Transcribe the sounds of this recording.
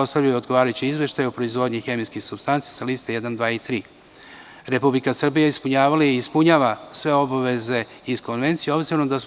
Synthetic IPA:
o̞st̪avʎajod̪ɡoʋaːɾajut͡ɕiizʋe̞ʃt̪ajupɾoizʋo̞d̪ɲixe̞miskixsubst̪ant̪sijasaliːst̪ejed̪and̪ʋaːit̪ɾiː | ɾe̞publikasr̩bijaispuɲaːʋalaːspuɲaːʋasʋe̞o̞baʋe̞ze̞isko̞nʋe̞nt̪sijeo̞bziɾoomd̪as

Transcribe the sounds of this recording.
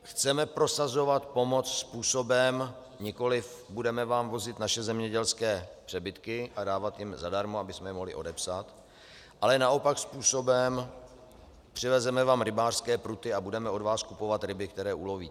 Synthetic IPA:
xt͡sɛmɛpɾo̞sazo̞vat̪po̞mo̞t͡sspuːso̞bɛm | ɲɪko̞lɪf | budɛmɛvaːmvo̞zɪt̪naʃɛzɛmɲɛɟɛlskɛːpr̥ɛbɪt̪kɪʔadaːvat̪jɪmzadaɾmoabɪsmɛjɛmoɦlɪ̰ʔo̞dɛpsat̪ | ʔalɛnaʔo̞pakspuːso̞bɛm | pr̝̥ɪvɛzɛmɛvaːmɾɪbaːr̥skɛːpɾut̪ɪabudɛmɛo̞dvaːskupo̞vat̪ɾɪbɪkt̪ɛɾɛːʔuːloviː

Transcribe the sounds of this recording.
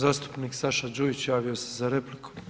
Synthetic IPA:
zaːst̪u̥pniksaʃad͡ʒujit͡ɕjaːʋio̞se̞zaɾe̞pliku̥

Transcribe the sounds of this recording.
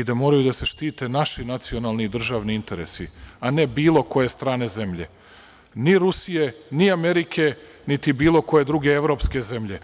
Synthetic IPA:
id̪amo̞ːɾajud̪ase̞ʃt̪iːt̪e̞naʃinat̪sio̞naːlˠnid̪r̩ʒaːʋniint̪e̞ɾesḭane̞biːlˠo̞ko̞je̞st̪ɾaːne̞ze̞mʎe̞̰ | niɾusijeniameɾikʰe̞ | nit̪ibiːlˠo̞ko̞je̞d̪ɾuɡe̞eʋɾo̞pske̞ze̞mʎe

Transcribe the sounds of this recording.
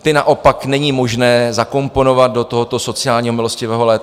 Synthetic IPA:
t̪ɪnaʔo̞paknɛɲiːmo̞ʒnɛːzako̞mpo̞no̞vad̪̚do̞t̪oɦot̪o̞so̞t͡sɪaːlɲiːɦo̞mɪlo̞scɪvɛːɦo̞lɛːt̪

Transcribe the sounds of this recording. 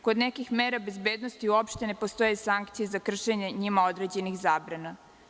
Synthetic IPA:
ko̞d̪nekixmeːɾabe̞zbeːd̪nost̪iuopʃt̪e̞ne̞post̪o̞jesaŋkt̪sijezakr̩ʃe̞ɲe̞ɲimao̞d̪ɾe̞d͡ʑe̞nixzaːbɾana

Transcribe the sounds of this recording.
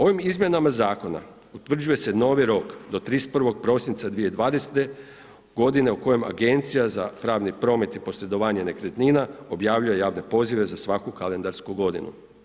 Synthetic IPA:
o̞ʋimizmje̞namazaːko̞na̰ | ut̪ʋr̩d͡ʑuje̞seno̞ːʋiɾo̞kd̪o̞t̪ɾiːspr̩ʋo̞ɡ̚pɾo̞sint̪sad̪ʋije̞d̪ʋaːd̪ese̥t̪e̞ | ɡ̥o̞d̪ine̞uko̞je̞ma̰ɡe̞nt̪sijaza̰pɾaːʋnipɾo̞ːme̞t̪ipo̞sɾe̞d̪o̞ʋaːɲe̞ne̞kɾet̪ninao̞bjaːʋʎujejaːʋne̞po̞ziʋe̞zasʋakukalend̪aɾskuɡo̞d̪ḭnṵ

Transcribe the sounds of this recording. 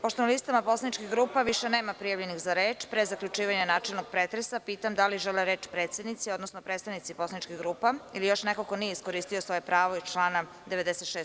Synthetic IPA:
poʃt̪onalist̪amaposlanit͡ʃkixɡɾuːpaʋiʃeneːmapɾijaʋʎe̞nixzaɾeːt͡ʃpɾezaklʎut͡ʃiːʋaɲanaːt͡ʃelˠnoɡ̥̚pɾeːt̪ɾesapiːt̪amd̪aliʒeleɾeːt͡ʃpɾeːt̪sed̪nit̪sio̞d̪nosnopɾeːt̪st̪aʋnit̪sipo̞slanit͡ʃkiɣɡɾuːpailijo̞ʃnekoko̞nijeisko̞ɾist̪iosʋo̞jepɾaːʋoit͡ʃlˠaːna | d̪eʋe̞d̪eset̪ʃeːs

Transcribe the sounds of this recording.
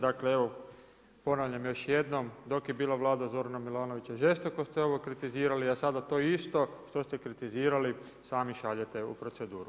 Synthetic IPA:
d̪akleeʋo̞ | po̞naʋʎamjo̞ʃje̞d̪no̞md̪o̞kjebiːlˠaʋlˠaːd̪azo̞ɾanamilˠaːno̞ʋit͡ɕaʒe̞st̪o̞ko̞st̪eo̞ʋokɾit̪iziːɾaliasad̪at̪o̞ist̪o̞ʃt̪ost̪e̞kɾit̪iziːɾali | saːmiʃaʎet̪e̞ṵpɾo̞t̪sed̪uːɾu

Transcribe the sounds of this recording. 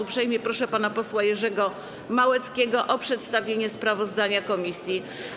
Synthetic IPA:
upʂɛjmʲjɛpɾɔʂɛpanapɔswajɛʐɛɡɔ | mawɛt̪skʲɛɡɔʔɔpʂɛt̪st̪avʲeɲɛspɾavɔzd̪aɲakɔmʲisʲji

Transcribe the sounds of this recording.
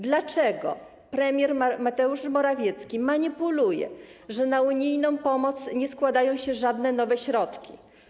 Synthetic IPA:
d̪lat͡ʂɛɡɔ̰ | pɾɛmʲjɛɾmat̪ɛuʂmɔɾavʲjɛt̪skʲimaɲipulujɛ̰ʐɛnauɲijnɔ̃w̃pɔmɔt̪sɲɛskwad̪ajɔ̃w̃ɕɛʐad̪nɛnɔvɛɕɾɔt̪kʲi

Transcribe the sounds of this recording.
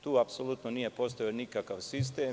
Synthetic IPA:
t̪uːapsolˠutt̪noniːje̞po̞st̪ojionikakaʋsis̬t̪eː

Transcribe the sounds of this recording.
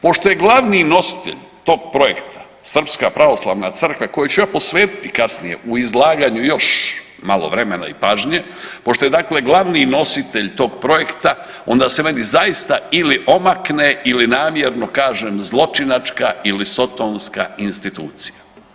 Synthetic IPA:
po̞ʃt̪o̞je̞ɡlˠaʋnino̞si̥t̪e̞̰ʎ | t̪o̞ːɡ̚pɾo̞je̞̰kt̪ʰḁ | sr̩pskapɾaʋo̞slˠa̰ːʋnat̪sr̩kʋako̞jut͡ɕujapo̞sʋe̞ːt̪i̥t̪ikasnije̞̰ʔuizlˠaːɡaɲujo̞ʃ | malˠo̞̰ʋɾe̞mena̰ipaːʒɲe̞ | po̞ʃt̪ojd̪aːkleɡlˠaʋnino̞sit̪e̞ʎt̪o̞ːɡpɾo̞je̞kt̪a | o̞̰nd̪aseme̞nizajist̪ailiʔo̞makneilinaːmjeɾno̞kaːʒemzlˠo̞t͡ʃinat͡ʃkailiso̞t̪onska̰inst̪it̪uːt̪sija

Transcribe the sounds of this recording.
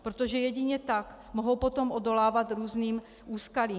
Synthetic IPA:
pɾot̪o̞ʒɛjɛɟɪɲɛt̪ak | moɦowpo̞t̪o̞mʔodo̞laːvat̪ɾuːzniːm | ʔuːskaliː

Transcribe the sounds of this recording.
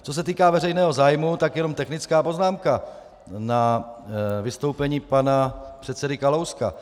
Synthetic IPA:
t͡sos̬ɛt̪iːkaːvɛrɛjnɛːɦo̞zaːjmut̪akjɛno̞mt̪ɛxnɪt͡skaːpo̞znaːmka | na | vɪst̪o̞wpɛɲiːpanapr̝̥ɛt̪t͡sɛdɪkalowska̰

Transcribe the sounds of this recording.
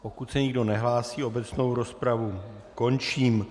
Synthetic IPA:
ʔo̞kut̪sɛɲɪɡdo̞nɛɦlaːsiːo̞bɛt͡sno̞wɾo̞spɾavu | ko̞nt͡ʃiːm

